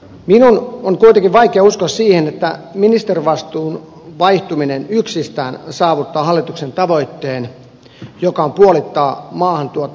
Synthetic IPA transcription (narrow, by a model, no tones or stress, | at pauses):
minunoŋkuit̪eŋkiʋʋɑikeɑuskossiːhenet̪ːæminist̪eriʋɑst̪uːn | ʋɑiht̪uminenyksist̪æːnsɑːʋut̪ːɑːhɑlːit̪uksent̪ɑʋoit̪ːeːn | jokɑompuolit̪ːɑːmɑːhɑnt̪uot̪ː